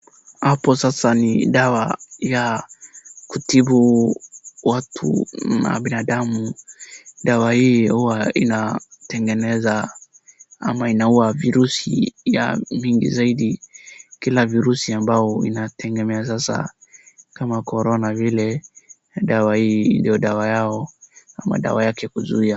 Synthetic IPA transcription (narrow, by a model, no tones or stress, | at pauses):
hapɔsasanidawaja | kutibu | watʰṵna̰binadamu | dawahiihuwaḭnatɛŋɡɛnɛza | amainauaviɾusija̰miŋɡḭzaiɗikilaviɾusiambaɔḭnatʰɛŋɡɛmɛas̬asa̰ | kamakɔɾɔnavilɛ | ɗawahindiɔdawajaɔa̰ma̰ɗa̰wajakɛkuzuia